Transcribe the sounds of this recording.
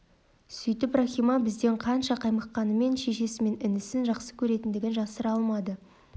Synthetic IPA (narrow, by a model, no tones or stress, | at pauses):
sʏjt̪ɪproxʲijmɑbɪzd̪e̞ɴqʰɑnʃɑqʰɑjməqqːɑnəme̞nʃe̞ʃe̞sɪme̞nɪnɪsɪnʒɑqsə̥kʲʰɵɾe̞t̪ɪnd̪ɪɡʲɪnʒɑsəɾɑlˠmɑd̪ə